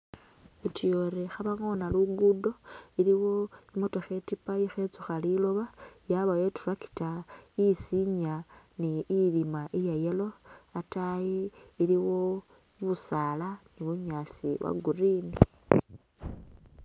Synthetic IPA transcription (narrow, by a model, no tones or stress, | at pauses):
etijoɾexaβaŋo̞naluɡudo̞iliwoimutoxe̞tipaixet͡suxalilo̞βajaβajeturaki̥taisiɲaniilimaʔijajelo̞atajiːliwo̞ | iβusaːlaniβuɲasiwa̰ɡurini